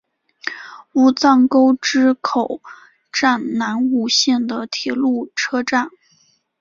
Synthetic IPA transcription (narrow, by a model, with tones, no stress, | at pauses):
u˧˥t͡sɑ˥˩ŋko˥ʊʈ͡ʂɻ̩˥kʰo˨˩ʊ | ʈ͡ʂa˥˩nna˧˥nu˨˩ɕjɛ˥˩nd̪ə˩t̪ʰjɛ˧˥lu˥˩ʈ͡ʂʰɤ˥ʈ͡ʂa˥˩n